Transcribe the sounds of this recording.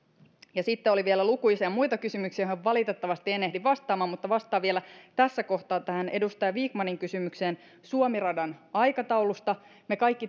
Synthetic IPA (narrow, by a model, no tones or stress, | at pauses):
jɑsit̪ːeo̞liʋielælukuisiɑmujt̪ɑkysymyksiæhæʋʋɑlit̪et̪ːɑʋɑst̪ienehdiʋɑst̪ɑːmɑːmut̪ːɑʋɑst̪ˑɑːʋielæt̪æsːæko̞ht̪ɑːt̪ːæhænʔe̞dust̪ɑjʋiːkmɑniŋkysymykseːn | suomirɑdɑnɑjkɑt̪ɑwlust̪ɑ | mekɑjkːi